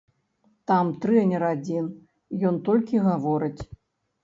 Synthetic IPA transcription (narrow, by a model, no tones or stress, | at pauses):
t̪amt̪ɾɨɐnʲɛɾad͡zʲin | jɔnt̪ɔlʲkʲiɣavɔɾɨt͡sʲ